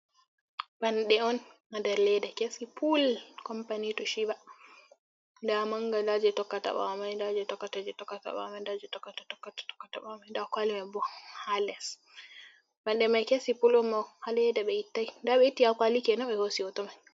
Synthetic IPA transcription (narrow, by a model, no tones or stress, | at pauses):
banɗɛɔnmadɛɾlɛdɛkesipʰulkɔmpanitɔʃiba | ndamaŋɡalad͡ʒɛtɔkːata̰ɓa̰majdad͡ʒɛtɔkːatad͡ʒɛtɔkːata̰ɓa̰mandad͡ʒɛtɔkːatatɔkːatḁtɔ̥kːata̰ɓamajndakwalimabɔhalɛs | banɗɛmajkesipulɔnmɔhalɛjdɛɓɛitːaidaɓɛitːiakalikɛnɔɓɛhosiɔtɔmaj